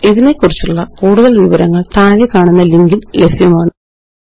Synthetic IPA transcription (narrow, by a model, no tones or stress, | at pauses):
iðine̞kːurit͡ɕːuɭːɐkuːɽuðɐlʋiʋɐɾɐŋːɐɭt̪aːɣekːaːɳunːɐliŋɡillesjɐmaːɳɨ